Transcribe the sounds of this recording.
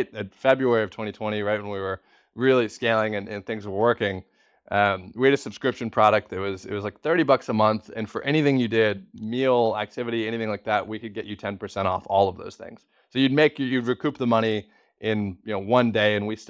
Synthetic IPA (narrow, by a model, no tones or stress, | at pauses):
ɪtɨtfɛbɹʉɛɹiʌv̥tʰwɛ̃ɾ̃itʰɛ̃ɾ̃iɹaɪt̚wə̃nwiwə˞ | ɹɪlˠiskeɪlˠɪ̃ŋɨ̃nɨ̃nθɪ̃ŋzwə˞wɜ˞kɪ̃ŋ | ʔʌ̃mwiɨɾɨsɨb̥skɹɪpʃɨ̃n̩pʰɹ̥ɑɾɨk̚tɨt̚wʌzɪ̰t̚wʌzlaɪk̚θɜ˞ɾibʌksəmʌ̃nθɨ̃nfə˞ʔɛɾ̃iθɪ̃ŋjɨdɪd̚milˠæk̚tʰɪvɨɾiɛñiθɪ̃ŋlaɪk̚ðæt̚wikɨd̚ɡɛt͡ʃɨtʰɛ̃npə˞sɛ̃ɾ̃ɔ̰fɔlˠʌvðo̰ʊz̥θɪ̰̃ŋz̥ | soʊjɨd̚meɪkjɨjɨd̚ɹikʰʉp̚ðəmʌɾ̃i | ʔɪ̃njɨnoʊwʌ̃ndeɪɨ̃nwis